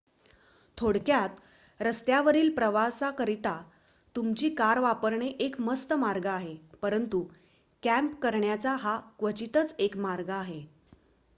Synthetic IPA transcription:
t̪ʰoɽkjat̪ | ɾəst̪jaʋəɾiːlpɾəʋasakəɾit̪a | t̪umt͡ɕiːkaɾʋapəɾɳeʔekməst̪əmaɾɡaːɦepəɾənt̪u | kæ̃mpkəɾɳjat͡saɦakʋət͡ɕit̪ət͡sekmaɾɡaːɦe

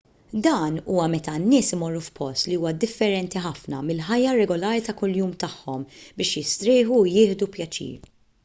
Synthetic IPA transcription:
d̪ɐːnuːwɐmɛt̪ɐnːɪːsɪmɔrːufpɔst̪liuːwɐd̪ɪfːɛɾɛnt̪iħɐfnɐ̰mɪlħɐjːɐɾɛɡɔlɐːɾit̪ɐkʊljuːmt̪ɐħːɔmbɪːʃjɪst̪ɾɪːħujɪːħd̪upjɐt͡ʃḭːɾ

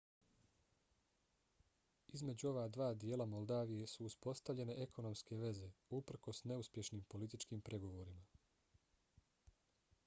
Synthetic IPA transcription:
izme̞d͡ʑuo̞ʋad̪ʋaːd̪je̞ːlamo̞lˠd̪aːʋije̞suːspo̞st̪aʋʎe̞ne̞ʔe̞kʰo̞no̞mske̞ʋe̞ze̞upr̩ko̞sne̞uspje̞ʃniːmpo̞lit̪it͡ʃkiːmpɾʔe̞ɡo̞ʋo̞ɾima

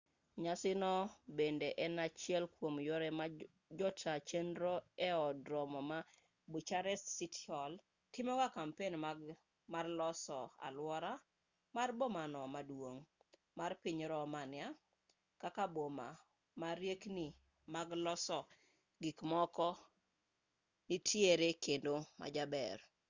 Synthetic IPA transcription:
ɲasɪnɔbendeʔɛnat͡ʃɪɛlkwomjoɾɛma | d͡ʒɔtʰat͡ʃendɾoɛɔdɾɔmɔma | but͡ʃaɾɛstsitɔl | tɪmɔkakampen | marlɔsɔa̰lwɔɾa | marbomanɔmadwoŋ | marpɪɲɾɔmanɪja | kakaboma̰ | maɾjekni | maɡlɔsɔ | ɡɪkmɔkɔ | nitʰjeɾekendoma̰d͡ʒabɛ̰r

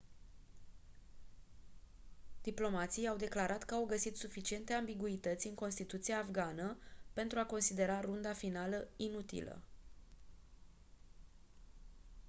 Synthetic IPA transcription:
d̪̥iplo̞mat̪sijawd̪e̞klaɾat̪kəawɡəsit̪sufit͡ʃie̞nt̪e̞ambiɡuit̪ət̪sʲɨŋko̞nst̪it̪ut̪siaːfɡanəpe̞nt̪ɾuako̞nsid̪e̞ɾarund̪afinaləinut̪ḭlə̰

